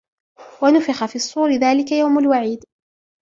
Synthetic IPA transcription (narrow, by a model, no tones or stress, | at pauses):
wanʊfɪxafiːɑsˤːuːɾɪðaːlɪkajawmalwaʕiːd̪